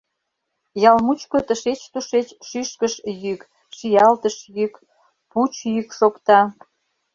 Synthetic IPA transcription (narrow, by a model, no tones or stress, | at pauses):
jɑlmut͡ɕkot̪əʃet͡ɕt̪uʃet͡ɕʃyʃkəʃjyk | ʃijɑlt̪əʃjyk | put͡ɕjykʃokt̪ɑ